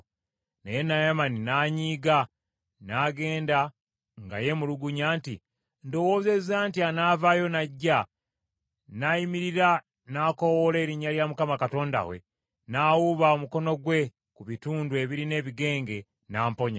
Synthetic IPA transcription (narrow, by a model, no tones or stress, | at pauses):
nejenajamaninaɲiːɡa | naːɡe̞ːnda | ŋɡa̰je̞muluɡuɲaːnti | ndo̞wo̞ːze̞zaːntianaːvajo̞naɟːa | najimiɾiɾa | nako̞wole̞ːɾiɲːaljamukamakato̞ːnda̰wḛ | naːwuβaomuko̞no̞ɡwe̞ | kuβituːndue̞βiɾine̞ːβiɡe̞ːŋɡe̞ | naːmpo̞ɲa